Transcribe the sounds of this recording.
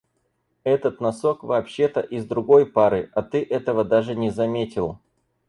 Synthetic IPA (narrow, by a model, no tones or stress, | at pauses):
ɛt̪ət̪nɐso̞kvɐːpɕːe̞t̪əʔɪzd̪ɾʊɡo̞jpaɾɨɐt̪ɨʔɛt̪əvəd̪aʐɨnʲɪzɐmʲetʲɪlˠ